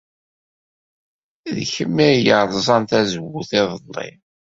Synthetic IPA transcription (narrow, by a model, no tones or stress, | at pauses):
ðçəmːijəðˤzˤɑnt̪æzəwːuθɪðˤəlˤːḭ